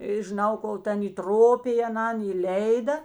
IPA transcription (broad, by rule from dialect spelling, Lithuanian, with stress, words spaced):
ɪ ʒʲɪˈnɐʊ ˈkoːlˠ ˈtʲɛn iːˈtroːpʲɪj ɐˈnɐn iːˈlʲɛɪdɐ